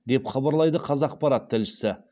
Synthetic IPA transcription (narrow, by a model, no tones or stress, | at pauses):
d̪e̞pχɑbɑɾlˠɑjd̪əqʰɑzɑːq̚pɑɾɑt̪ʰːɪlʃɪ̥sɪ